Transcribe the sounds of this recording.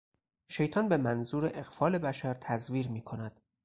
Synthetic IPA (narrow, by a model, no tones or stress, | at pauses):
ʃe̞jt̪ʰɒːnbe̞mænzuːɾeʔeɣfɒːle̞bæʃæɾt̪ʰæzviːɾmiːkʰo̞næd̪̥